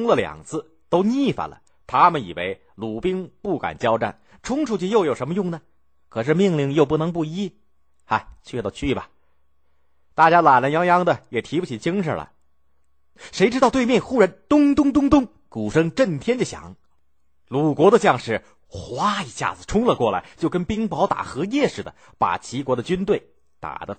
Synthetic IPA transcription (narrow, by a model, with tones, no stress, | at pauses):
ʊ˥ŋlə˨ljɑ̰˨˩ŋt͡sʰɹ̩˥˧ | t̪o˥ʊni˥˧˩fa̰˨˩nlə̰˨ | t̪ʰa˥mə˨nḭ˨˩wḛ˧˥ɪ | lu˨˩pi˥ŋpu˥˩ka̰˨˩nt͡ɕjɑ˥ʊʈ͡ʂa̰˥˩n | ʈ͡ʂʰʊ˥ŋʈ͡ʂʰu˥˩t͡ɕi˥˧jo˥˩ʊjo˨˩ʊʂə˧˥mə˧jʊ˥˩ŋnə˩ | kʰɤ˨˩ʂ̬ɻ̩˥˧mi˥˧ŋli˥˧ŋjo˧ʊp̬u˥˩nɤ˧˥ŋp̬u˥˩i˥ | a˧˩ɪt͡ɕʰɛ˥˧t̪ɑ˥˧˩t͡ɕʰy˥˩bɐ˨ | t̪a˥˩t͡ɕja˥la˨˩lə˧˥njɑ˧˥ŋjɑ˧˥ŋd̪ə˨jɛ˨˩t̪ʰi˧˥u˥˩t͡ɕʰi˨˩t͡ɕi˥ŋʂə̰˞˨˩lə̰˨ | ʂe˧˥ɪʈ͡ʂɻ̩˥t̪ɑ˥˧ʊt̪̬e˥˧ɪmjɛ˥˩nxu˥ɻa˧˥nt̪ʊ˥ŋt̪ʊ˥ŋt̪̬ʊ˥ŋt̪ʊ˥ŋ | ku˨˩ʂɤ˥ŋʈ͡ʂə˥˩nt̪ʰjɛ˥nt͡ɕɕjɑ̰˨˩˦ŋ | lu˨˩kwɔ˧˥d̪ə˧t͡ɕjɑ˥˧ŋʂɻ̩˥˩ | xwa˥i˧˥ɕja̰˥˩d͡zɹ̩˨˩ʈ͡ʂʰʊ˥ŋlə˧kwɔ˥˩la̰˧˥ɪt͡ɕjo˥˩ʊkə˥npi˥ŋpɑ˧˥ʊt̪a̰˨˩xɤ˧˥jɛ˥˧ʂɻ̩˥˩d̪ə̰˩ | pa̰˨˩t͡ɕʰi˧˥kwɔ˧˥d̪ə˧t͡ɕy˥nt̪we˥˩ɪ | t̪a̰˨˩d̪ə˦